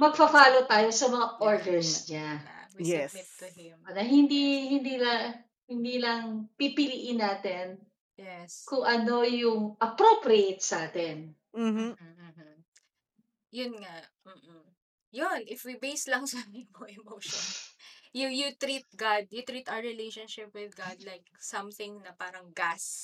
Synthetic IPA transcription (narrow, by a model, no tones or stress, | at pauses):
mɐɡ̚fɐfaːlot̪aːjo̞sɐmɐŋaʔoɹd̪ɛɹsɲawimɪt̪ːʊhɪmanɐɦɪnd̪ihɪnd̪iːlɐ | hɪnd̪iːlɐŋpipɪliʔɪnaːt̪ɛn | jɛskʊŋʔɐno̞jʊŋʔɐpɾopɾiejt̪̚sɐʔaːt̪ɛn̩ː | jʊnŋaʔ | m̩ːʔ̩ | jonʔɪfwibejslɐŋsɐnimoʔɛmowʃɔnsjujut̪ɾit̪̚ɡad̪̚jʊt̪ɾit̪ʔaɹɪlejʃonʃɪpwɪðɡad̪̚lajk̚sɐmθɪŋnɐpaːɾɐŋɡas